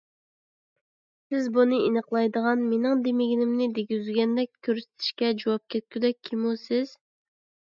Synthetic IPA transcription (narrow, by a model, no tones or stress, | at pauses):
sɪzbunɨinəqlˠɑjd̪əʁɑnmenɪŋd̪emɪɡʲinɪmnɪd̪eɡʲyzɡʲɛnd̪ɛk̚ʲkʲʰːøɾsɪ̥t̪ʰɪ̥ʃkʲɛd͡ʒowɑp̚kʲʰɛt̪̚kʲʰyd̪ɛk̚ʲʰːimusɪz̥